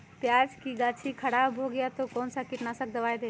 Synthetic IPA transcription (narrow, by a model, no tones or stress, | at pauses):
t̪jad͡ʒkiɡat͡ʃʰikʰəɽabɦoɡəjat̪okɔːnsakiʈnasək̚ʰd̪əʋajd̪e